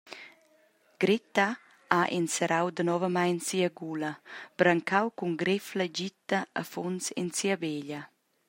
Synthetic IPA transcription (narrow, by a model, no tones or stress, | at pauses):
ɡ̥ɾit̪a | aʔinsəɾʔawd̪ənɔvəmajnsiəɡuləb̥ɾaŋkʰawkuŋɡɾɪfləɟit̪əə̰fonsḭnsiəbeʎə